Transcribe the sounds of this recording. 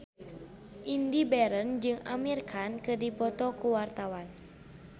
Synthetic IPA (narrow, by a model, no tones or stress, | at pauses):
ʔindibɛɾənd͡ʒɨŋa̰mirkʰankɨrdipɔt̪ɔkuwart̪awan